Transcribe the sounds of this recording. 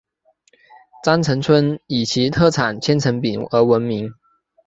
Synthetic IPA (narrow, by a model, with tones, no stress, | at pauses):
t͡sa˥nt͡sʰə˧˥ŋt͡sʰwə˥ni˨˩t͡ɕʰi˧˥t̪ʰɤ˥˩ʈ͡ʂʰa˨˩nt͡ɕʰjɛ˥nt͡sʰə˧˥ŋpi˨˩ŋə˧˥wə˧˥nmi˧˥ŋ